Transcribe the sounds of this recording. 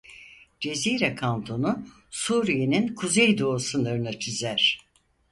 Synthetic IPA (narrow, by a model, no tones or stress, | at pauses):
d͡ʒe̞ziːɾakʰand̪ʰonu | suːɾijeninkʰuzejd̪o̞ːsɯnˠɯɾɯnɯt͡ʃʰyzæɾ̥